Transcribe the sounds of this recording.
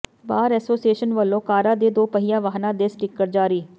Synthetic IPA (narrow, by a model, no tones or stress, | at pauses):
baːɾɛːsoːsieːʃənʋəlːõːkaːɾaːd̪eːd̪oːpəɦɪjãːʋaːɦnãːd̪eːsʈɪkːəʈd͡ʒaːɾiː